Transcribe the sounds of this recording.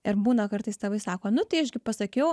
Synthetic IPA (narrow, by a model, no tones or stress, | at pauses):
ɪɾbuːnɐkɐrt̪ɐɪst̪ɐʋɐɪsɑːkoːnʊt̪ɐɪɐʒɡʲɪpɐsɐkʲɛʊ